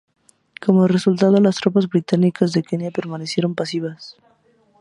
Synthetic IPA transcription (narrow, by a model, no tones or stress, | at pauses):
ko̞moeresult̪að̞olast̪ɾopazβɾit̪anikazðekenjape̞ɾmanesje̞ɾo̞mpasiβ̞as